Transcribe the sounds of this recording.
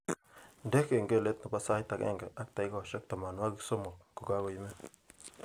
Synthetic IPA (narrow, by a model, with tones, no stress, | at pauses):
nde˦ke˨ŋɡe˦˨le˦t̪na˨pa˦sa˦jt̪a˨kḛ˦˨ŋɡe˨ʔa˦k̚t̪a˨jɡo˦˨ʃe˦k̚t̪a˨ma˨nwa˦ɡi˦kso˦mo˨ɡ̥u˨ɡa˦ɡo˨jme˦